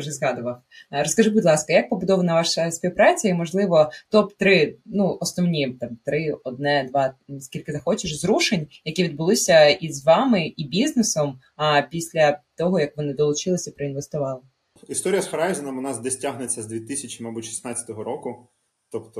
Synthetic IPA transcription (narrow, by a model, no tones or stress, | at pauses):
uʒɛzɦɑd̪ʊʋɐw | rɔskɐʒɪbʊdʲlˠɑskɐjɐk̚pɔbʊd̪ɔʋɐnɐʋɑʃɐsʲpʲiwpɾɑt͡sʲɐimɔʒlˠɪʋɔt̪ɔpt̪ɾɪnuɔsnɔwnʲit̪ɑmt̪ɾɪɔd̪̚nɛd̪ʋɑskʲilʲkɪzɐxɔt͡ʃɪʃzɾuʃenʲjɐkʲiʋʲid̪̚bʊlˠɪsʲɐizʋɑmɪibʲiznɪsɔm | apʲisʲlʲɐt̪ɔɦɔjɐkʋɔnɪd̪ɔlˠʊt͡ʃɪlˠɪsʲɐpɾɐinʋest̪ʊʋɑlˠɪ | ist̪ɔɾʲijɐsxɐɾɑjzɪnɐmʋɔnɑzd̪ɛsʲtʲaɦnet͡sʲːɐzd̪ʲʋʲit̪ɪsʲɐt͡ʃʲimɐbutʲʃi̥snɑt͡sʲːɐ̥t̪ɔɦɔɾɔkʊ | t̪ɔpt̪ɔ